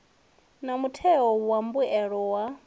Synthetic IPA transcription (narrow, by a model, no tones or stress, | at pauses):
namutʰɛɔwambuɛɺɔwa